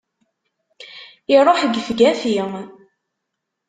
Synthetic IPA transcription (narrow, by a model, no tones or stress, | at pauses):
iɾˤoħəɡəfɡæfi